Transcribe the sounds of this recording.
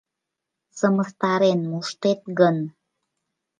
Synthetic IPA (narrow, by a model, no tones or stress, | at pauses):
səməst̪ɑɾenmuʃt̪et̪̚ɣən